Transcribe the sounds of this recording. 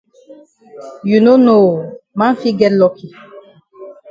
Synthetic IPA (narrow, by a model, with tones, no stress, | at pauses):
ju˨no˦no˨ma˦n˦fi˦ɡɛ˦lɔ˨ki˨